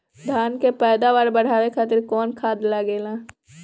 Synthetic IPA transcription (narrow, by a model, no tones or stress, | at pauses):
d̪ʱaːnkepɛːd̪aʋaːɾbəɽ̤aːʋekʰat̪ɪɾkɔːnkʰaːd̪laɡeːlaː